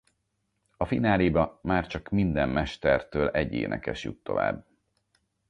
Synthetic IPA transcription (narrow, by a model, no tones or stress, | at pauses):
ɒfinaːlibɒmaːrt͡ʃɒkmind̪ɛmːɛʃt̪ɛrt̪øːlɛɟːḛːnɛ̰kɛʃjṵt̪ːo̞̰va̰ːbː